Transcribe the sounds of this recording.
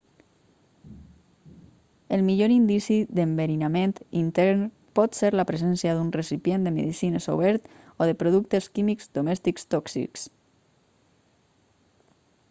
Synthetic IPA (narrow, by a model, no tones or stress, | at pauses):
əlˠmiʎoɾind̪isiðəmbeɾinament̪int̪ɛɾn | pɔt̪seɾlapɾəzɛnsiaðunresipjend̪əmḛðisinəso̰βɛɾt̪ | oðəpɾoðuk̚t̪əskimikz̥d̪omɛst̪ikst̪ɔksḭks